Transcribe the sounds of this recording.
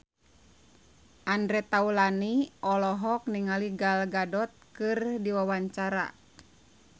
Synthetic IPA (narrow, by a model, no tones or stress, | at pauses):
ʔandɾɛt̪aulaniɔlɔɦɔk̚niŋaliɡalɡadɔt̪̚kɨrdiwawaɲt͡ʃaɾa̰